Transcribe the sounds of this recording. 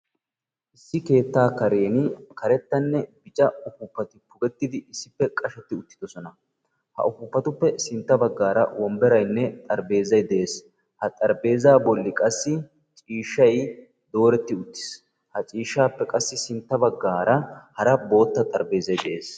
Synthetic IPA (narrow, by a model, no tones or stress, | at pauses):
ʔɪsːɪke̞ːt̪ːaːkɐɾe̞ːnɪkɐɾɛt̪ːɐnːɛbɪt͡ʃʼɐʊkʊpːɐt̪ɪpʊɡɛt̪ːɪd̪ɪɪsːɪpːɛkʼɐʃɛt̪ːɪʊt̪ːɪd̪ɔsɔnɐ | hɐ̰ʔʊkʊpːɐt̪ʊpːɛsɪnt̪ːɐbɐɡːaːɾɐ̰wɔmbɛɾɐjnːɛt̪ʼɐɾbe̞ːzɐjd̪ɛʔeːs | hɐt̪ʼɐɾbe̞ːzaːbɔlːɪkʼɐsːɪ | t͡ʃʼiːʃːɐj | d̪o̞ːɾɛt̪ːɪʊt̪ːɪ̥s | hɐt͡ʃʼiːʃːaːpːɛkʼɐsːɪsɪnt̪ːɐbɐɡːaːɾɐhɐɾɐbo̞ːt̪ːɐt̪ʼɐɾbe̞ːzɐjd̪ɛʔeːs